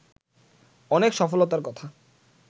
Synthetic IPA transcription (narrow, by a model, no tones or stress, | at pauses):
ɔnekʃɔfolot̪aɾkɔt̪ʰa